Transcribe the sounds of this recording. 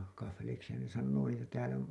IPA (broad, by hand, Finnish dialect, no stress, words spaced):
kɑfːeliksihɑn ne sɑnːoː niːtæ tæːlæ